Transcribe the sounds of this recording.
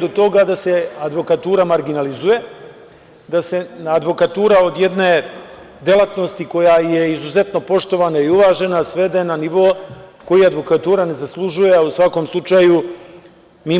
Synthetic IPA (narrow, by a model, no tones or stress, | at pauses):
d̪ot̪o̞ɡad̪ase̞ad̪ʋo̞kat̪uːɾamaɾɡinalizuje̞ | d̪ase̞ad̪ʋo̞kat̪uːɾao̞d̪je̞d̪ne̞ː | d̪je̞lˠat̪no̞st̪iko̞jaje̞izuze̞t̪no̞po̞ʃt̪o̞ʋanaiuʋaːʒe̞nasʋe̞d̪ajenaniʋo̞ko̞jiad̪ʋo̞kat̪uːɾane̞zaslˠuʒujeausʋako̞mslˠut͡ʃaːju | miː